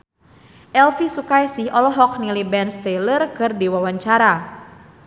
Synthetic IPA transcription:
ʔɛlfisukajsɪhʔɔlɔɦɔk̚nilibɛnst̪ɛlərkɨrdiwawaɲt͡ʃaɾa

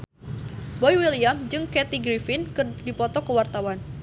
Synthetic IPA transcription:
bɔjwiliamd͡ʒɨŋkɛt̪iɡɾifɪnkədipɔt̪ɔkəwart̪awan

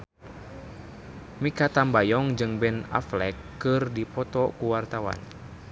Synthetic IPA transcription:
mikat̪ambajɔŋd͡ʒɨŋbɛna̰flɛkːɨrdipɔt̪ɔkuwart̪awa̰n

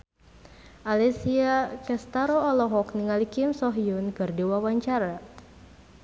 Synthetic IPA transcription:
ʔalɛsiakɛst̪aɾoːlɔɦɔkniŋalikɪmsɔɦiunkɨrdiwawaɲt͡ʃaɾa

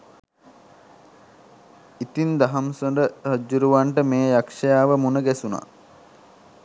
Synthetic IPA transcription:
it̪ind̪aɦamsoɳdəhəd͡ʒːuɾuʋaɳʈəmeːjakʂɐjaːʋəmunəɡæsuna̰

